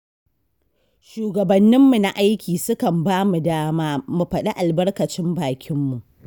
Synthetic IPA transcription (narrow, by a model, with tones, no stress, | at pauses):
ʃuː˨ɡɐ˨bɐ˨nːɪ˦mːu˨na˦ʔa˦jkʲiː˨sʊ˦kɐ˨mbaː˦mu˨daː˦maː˦mu˨ɸɐ˨ɗa˦ʔa˨lbɐ˦rkɐ˨t͡ʃɪ˦mbaː˨kʲʰɪ˦mːu˨ʔ